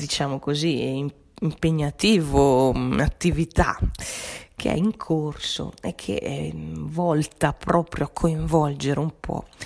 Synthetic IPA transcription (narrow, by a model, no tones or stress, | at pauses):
d̪it͡ʃaːmokoziim | impeɲːat̪iːvonat̪ːivit̪a̰ | kʰḛɛ̰iŋkʰorso̰ɛkʰːḛ | vɔlt̪apɾɔːpɾjoakʰːoiɱvɔld͡ʒeɾumpʰɔ̰